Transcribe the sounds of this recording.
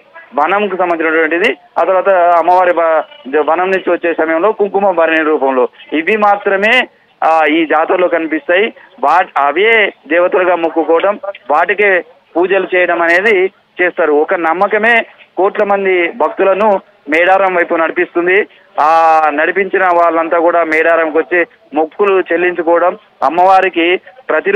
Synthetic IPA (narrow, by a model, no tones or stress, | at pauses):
ʋɐnɐmkusɐmːbɐnd͡ʒinɐʈʋɐɳʈid̪i | a̰ːt̪ɐɾʋaːt̪ɐɐmːɐʋaːɾiʋɐnɐmnuɲt͡ʃiʋɐt͡ʃːeːsɐmɐjɐmlo̞ːkuŋkumɐmʋɐɾiniɾuːp̬ɐmlo̞ːiʋimaːt̪ɾɐme̞ː | iːd͡ʒaːt̪ɐlo̞ːkɐnipist̪aːjiʋaːɐʋeːd̪ɛːʋɐt̪ɐlɐɡaːmukːukɔːɐɽɐmʋaːʈike̞ː | puːd͡ʒɐlut͡ʃɛːjɐɽɐmɐne̞ːd̪i | t͡ʃeːst̪aːɾuɔkɐnɐmːɐkɐme̞ːkoːʈlɐmɐnd̪ibʱɐk̚t̪ulɐnu | mɛːɽaːɾɐmʋɐjpunɐɽipist̪und̪i | aːnɐɽipiɲt͡ʃinɐʋaːɭːɐnt̪aːkuːɽaːmɛːɽaːɾɐmkʋɐt͡ʃːi | mukːulut͡ʃe̞lːiɲt͡ʃukɔːʋɐɽɐm | ɐ̰mːɐʋaːɾikipɾɐt̪i